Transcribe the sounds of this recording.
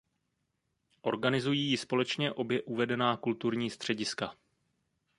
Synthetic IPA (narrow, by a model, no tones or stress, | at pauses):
ʔo̞̰ɾɡanɪzujiːjɪspo̞lɛt͡ʃɲɛʔo̞bjɛʔuvɛdɛnaːkult̪uɾɲiːst̪r̝̥ɛɟɪska